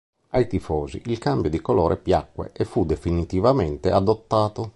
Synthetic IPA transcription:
ajt̪ifɔːzḭʔilkambjod̪ikolɔːɾʔepjakːwḛʔefːud̪efinit̪ivamɛnt̪ead̪ot̪ːaːt̪o

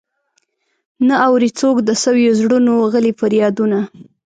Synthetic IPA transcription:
naawɾit͡sokd̪əsəwjozɽunoɣəlifaɾjɑd̪una

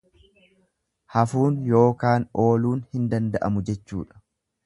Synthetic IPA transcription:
hɐfuːnjo̞ːkaːno̞ːluːnhɪnd̪ɐnd̪ɐʔɐ̰mʊd͡ʒɛt͡ʃːṵːᶑɐ̥

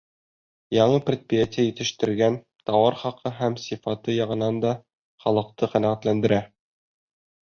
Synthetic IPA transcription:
jɑɴɤprʲet̪̚prʲijat̪ʲɪjajit̪ɘ̆ʃt̪ɘ̆ɾɡæn | t̪ɑwɑɾχɑqʰɤɦæmsifɑt̪ɤjɑʁɤ̆nɑnd̪ɑ | χɒlˠɤ̆q̚t̪ɤqænæʁæt̪lænd̪ɘ̆ɾæ

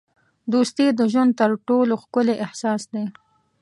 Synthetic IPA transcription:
d̪ust̪id̪əʒwand̪̚t̪əɾʈoloxkʊleʔɪhsɑːsd̪e

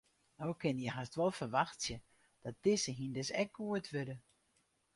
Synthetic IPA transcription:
nowkʰɪnjəhastʋɔlˠfərʋaxtsjə | d̥ɔt̚d̥ɪsəɦindɪsɛk̚ɡuətʰʋødə

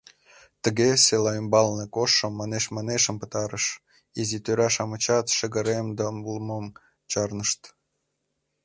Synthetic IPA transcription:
t̪ə̆ɣeselɑymbɑlnekoʃːɤ̆mːɑneʃmɑneʃə̆mpə̆t̪ɑɾəʃ | izit̪øɾɑʃɑmət͡ɕɑt̪ʃə̆ɣə̆ɾemd̪ɑmulˠmɤm | t͡ɕɑrnəʃt̪

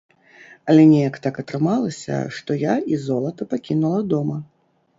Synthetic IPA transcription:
ɐlʲɛnʲɛjɐkt̪akɐt̪ɾɨmalˠɐsʲɐ̰ʂt̪ɔjaizɔlˠɐt̪ɐpakʲinulˠɐd̪ɔmɐ

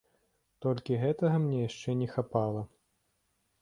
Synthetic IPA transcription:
t̪ɔlʲkʲiɣɛt̪ɐɣɐmnʲɛjaʂt͡ʂɛnʲɛxapalˠɐ

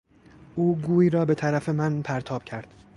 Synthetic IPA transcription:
ʔuːɡuːiːɾɒːbe̞t̪ʰæɾæfe̞mænpʰæɾt̪ʰɒːb̥̚cʰæɾd̪̥

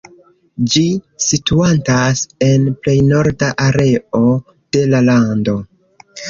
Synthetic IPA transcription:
d͡ʒisituantase̞nple̞jno̞ɾdaʔaɾe̞o̞ | d̥e̞lalando̞

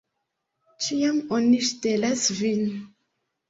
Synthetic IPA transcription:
t͡ʃiamoniʃtelasvin

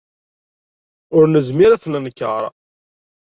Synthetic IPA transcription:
ʊɾnəzmiɾæθnənkːə̰ɾˤ

